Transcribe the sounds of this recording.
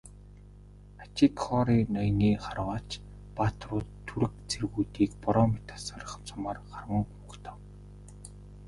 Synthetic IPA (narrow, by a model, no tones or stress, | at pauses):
at͡ɕikχɔɾiːnɔjniːχarwaːt͡ɕ | pat̪rʊːt̪ʰːuɾɘ̆k̚t͡serɣuːt̪iːkpɔɾɔːmet̪ʰḁsɔrə̆χt͡sʰʊmaːrχarwə̆ŋχuːkt̪ʰə̥̆w